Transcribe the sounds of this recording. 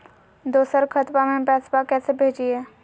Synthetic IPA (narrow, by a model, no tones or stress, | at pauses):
d̪oːsəɾkʰət̪pamẽbɛːsbakɛːsebʱeːd͡ʒiɛː